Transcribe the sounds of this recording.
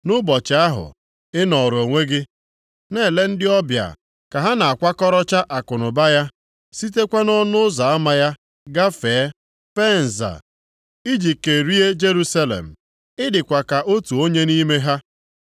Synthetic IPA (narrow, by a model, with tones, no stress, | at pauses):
nʊ˦bɔ˨t͡ʃɪ˨a˦ɦʊ̰˨ | ɪ˦nɔ˨ɾo˨ŋʷe˦ɡɪ˦ | ne˦˨le˦n̩˦dɪ˦ɔ˦bja̰˨ | ka˨ɦa˦na˨a˨kʷa˦kɔ˦ɾɔ˦t͡ʃa˦ʔa˨kʊ˨nʊ˨ba˦ja˦ | si˦t̬e˦kʷa˦nɔ˦nʊ˦ʊ˦za˨a˦ma˦ja˦ | ɡa˦fe˨˦ | fe˦n̩˨za̰˨ | i˦d͡ʒi˨ke˨ɾi˦e˦d͡ʒe˦ɾu˦sa˦lḛ˨m̩˨ | ɪ˦dɪ˨kʷa˨ka˨ʔo˦tu˨o˦ɲe˦ni˦me˦ɦa˦